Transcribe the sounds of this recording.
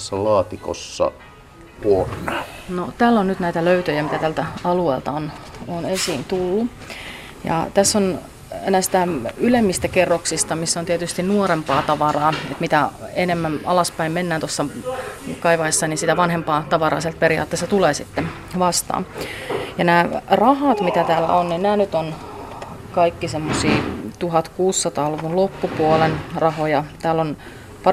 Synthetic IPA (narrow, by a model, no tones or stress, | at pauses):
sːælɑːt̪iko̰sːɑ̰ | puornɑnot̪æːlːonnyt̪næit̪æløyt̪øjæmit̪æt̪ælt̪æɑlueːlt̪ɑononesiːnt̪ulːu | jɑ̰t̪æsːon | enæsi̥t̪æylemːist̪ækerːoksist̪ɑmisːont̪iet̪yst̪innuoɾempɑːt̪ɑʋɑrɑːet̪mit̪æenemːænɑ̰lɑspæimmenːæːnt̪osːɑ | kɑiʋɑesːɑninsit̪æʋɑnɦempɑːt̪ɑʋɑrɑ̰ːselt̪̚peɾiɑ̰t̪ːeːst̪ɑt̪uleːsit̪ːe | ʋɑst̪ɑ̰ːmjɑnæːrɑhɑt̪mit̪æt̪æːlæ̰onninnæːnyt̪on | kɑikːisemːosiːt̪uɦɑt̪kuːsːɑt̪ɑːluʋunlopːupuolenrɑɦojɑt̪æːlːon | pɑ